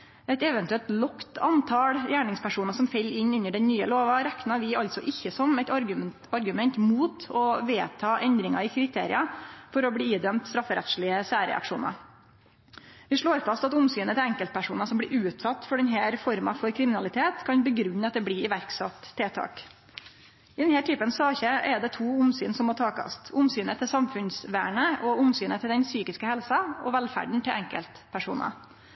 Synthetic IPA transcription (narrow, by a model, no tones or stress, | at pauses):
ɛt̪ɛʋɛnt̪ʉɛlt̪lɔkt̪ɑnt̪ʰɑɽjæːɳɪŋspʰæʂuːnɑsɔmfɛlːɪnʉnːəɖɛnnyːəloːʋɑɾæknɑɾʋɪɑlt̪sɔʔɪçːəsɔmɛɪt̪ɑɾ | ɑɾɡʉmɛnt̪muːt̪ɔʋeːt̪ʰɑːʔɛnd̪ɾɪŋɑɪkʰɾɪt̪ʰḛːɾɪɑfɔɾɔbɽiːiːd̪œmt̪st̪ɾɑfːəɾɛ̰t̪ʃɭɪəsæːɾɛ̰ɑ̰kʂṵːnɑ̰ | ʋɪʂɭoːɾfɑst̪ɑt̪ʊmsyːnət̪ʰɪlɛŋkəl̚pʰæʂuːnɑsɔmb̪ɪɾʉːt̪sɑt̪ːfɔɖɛnɦæːɾfɔɾmɑ̰fɔɾkʰɾɪmɪnɑlɪt̪ʰeːt̪kʰɑnbəɡɾʉnːəɑt̪̚d̪ɛblɪɪʋæɾksɑt̪ʰːeːt̪ʰɑ̰ːk | ɪd̪ɛnhæːʈʰyːpənsɑːçəʔɛd̪ɛt̪ʰuːʊmsyːnsɔmoːʈʰɑːkɑ̰st̪ʰʊmsyːnət̪ʰɪlsɑmfʉnsʋæ̰ːɳəɔʊmsyːnət̪ʰɪld̪ɛnsyːkɪskəhɛlsɑɔʋɛlfæ̰ɖɳ̩t̪ʰɪlɛŋkə̰lt̪pʰæʂṵːnʔɑ̰